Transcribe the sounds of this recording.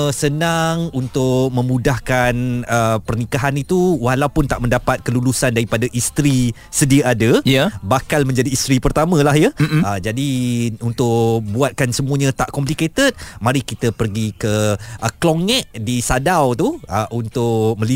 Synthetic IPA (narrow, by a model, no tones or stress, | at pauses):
sənaŋunt̪ʊʔ̚mə̃mudahkanəpərnikaɦanit̪uwahlawpʊnt̪aʔmə̃ndapat̪̚kəlulusandaɾipadaʔist̪ɾi | sədiəʔadəjabakalmə̃ɲd͡ʒadiːst̪ɾipərt̪amə̃lahjəəd͡ʒadiunt̪ʊʔbuat̪̚kansəmuəɲãt̪aʔkɔmp̬liket̪ət̪̚mãɾikit̪əpərɡikəʔəkloŋɛʔdisadawt̪uəʔunt̪ʊʔ̚mə̃li